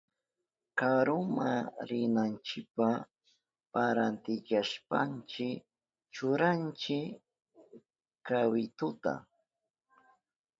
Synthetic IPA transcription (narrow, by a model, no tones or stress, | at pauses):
kaɾʊmaɾɪnant͡ʃɪkpa | paɾant̪ɪkaʃpa̰nt͡ʃɪk | t͡ʃʊɾant͡ʃɪ | kawɪt̪ʊt̪a̰